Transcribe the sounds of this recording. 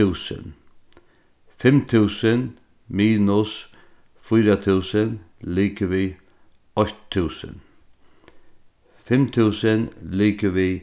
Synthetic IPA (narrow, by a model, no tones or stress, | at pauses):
ʉːsə̰n | fɛmt̪ʰʉːsən | miːnʊs | fʏːɾat̪ʰʉːsən | liːkəʋiː | ɔt̪ʰːʉːsə̰n | fɛmt̪ʰʉːsənliːkəʋiː